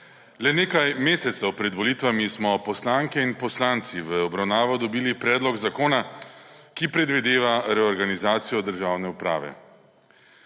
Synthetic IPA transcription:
lɛneːkajmeːsɛt̪sɛwpɾɛd̪ʋɔliːt̪ʋamismɔpɔslaːŋkɛinpɔslaːnt̪siʋəɔbɾawnaːʋɔd̪ɔbiːlipɾɛːd̪lɔɡzakoːna | kipɾɛd̪ʋid̪eːʋaɾɛɔɾɡanizaːt̪sijɔd̪əɾʒaːwnɛupɾa̰ːʋɛ̰

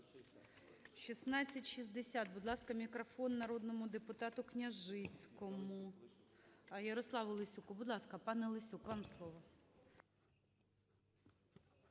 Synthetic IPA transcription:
ʃisnɑt͡sʲːɐtʲʃizd̪esʲat̪̚bʊd̪lˠɑskɐmʲikɾɔfɔnːɐɾod̪nɔmʊd̪epʊt̪ɑt̪ʊknʲɐʒɪt͡sʲkɔmʊ | jɐɾɔslˠɑʋʊlˠɪsʲukʊbʊd̪lˠɑskɐpɑnɛlˠɪsʲukʋɑmslˠɔʋɔ

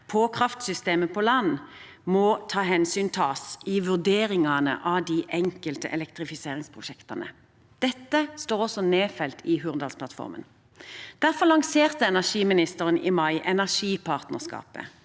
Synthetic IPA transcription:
pʰɔkʰʁɑft̪sʏst̪eːməpʰɔlɑnː | mɔt̪ʰɑːɦɛnsyːnt̪ʰɑːsɪʋʉʁd̪eːɾɪŋɑnə̰ʔɑd̪iːʔɛŋkəlt̪ə̰ʔɛ̰lɛkt̪ʁɪfɪseːʁɪŋspʰʁʊʃɛkt̪ɑnə̰ | d̪̥ɛt̪ːəst̪oːʁɔsɔneːfɛlt̪ʰɪɦʉːʁnd̪ɑːlsplɑt̪fɔ̰ʁmə̰n | d̪̥æʁfɔʁlɑŋseːʁt̪əɛnæʂiːmɪnɪst̪əʁənʔɪmɑɪʔɛnæʁʂiːpʰɑʁt̪nəʁskɑ̰ːpə̰

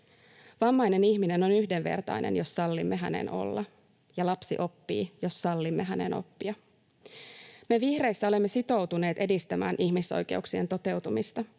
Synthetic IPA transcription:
ʋɑmːɑjne̞niçmine̞no̞nyhdenʋe̞̰rt̪ɑ̰jnḛnjo̞sːɑlːimːeɦænḛno̞̰lːɑ | jɑlɑpsḭʔo̞pːḭːjo̞sːɑlːimːeɦæne̞̰no̞̰pːiɑ | meʋihre̞jsːæole̞mːe̞sit̪o̞wt̪une̞ːt̪e̞dist̪æmæ̰ːnʔiçmiso̰jke̞̰uksie̞nt̪o̞t̪e̞wt̪umist̪ɑ

